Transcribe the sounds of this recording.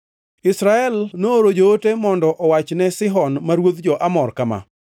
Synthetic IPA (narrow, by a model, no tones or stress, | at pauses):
ɪsɾaɛlnoɾod͡ʒootemɔndɔʔɔwat͡ʃnɛsɪɦɔnmaɾwod̪d͡ʒɔʔamɔrkama̰